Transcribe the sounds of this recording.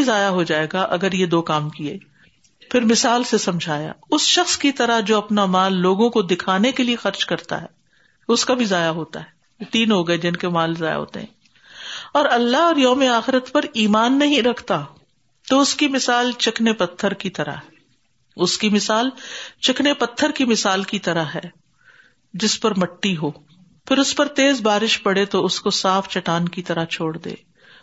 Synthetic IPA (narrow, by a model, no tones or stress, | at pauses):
izaːjaɦod͡ʒaːeːɡaʔɐɡəɾjed̪oːkaːmkiḛː | pʰɪɾmɪsaːlsesɐ̃md͡ʒʱaːja̰ːʊsʃɐxskit̪ɐɾaɦd͡ʒoːɐpnamaːlːoːɡõkod̪ɪkʰaːnekeliexɐɾt͡ʃkɐɾt̪a̰ɦɛː | ʊskabʱizaːjaɦoːt̪a̰ɦɛː | jet̪iːnɦoɡɐed͡ʒɪnkemaːlzaːja̰ɦo̰ːt̪ḛɦɛ̰̃ː | ɔːɾɐlːaɦɔːɾjɔːmeaːxɪɾət̪pɐɾiːmaːnːɐɦĩɾɐkʰt̪a | t̪oʊskimɪsaːlt͡ʃɪknepɐt̪ʰːəɾkit̪ɐɾa̰ɦɛ | ʊskimɪsaːlt͡ʃɪknepɐt̪ʰːəɾkimɪsaːlkit̪ɐɾaɦɛː | d͡ʒɪspɐɾmɐʈːiɦoː | pʰɪɾʊspɐɾt̪eːzbaːɾɪʃpɐɽet̪oʊskosaːft͡ʃɐʈaːnkit̪ɐɾat͡ʃʰoːɽd̪ḛː